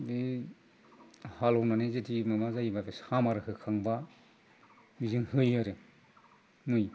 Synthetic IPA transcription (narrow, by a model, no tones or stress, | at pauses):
bi | halɔwnanezetʰimamazajibabesamaɾɯhɯkʰaŋba | mizɯŋhɯjaɾɯ | mɯj